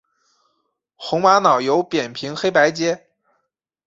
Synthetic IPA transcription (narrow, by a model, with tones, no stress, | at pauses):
xʊ˧˥ŋwa˧˥nɑ˨˩ʊjo˧˥ʊpjɛ˨˩npʰi˧˥ŋxe˥ɪpa˧˥ɪt͡ɕjɛ˥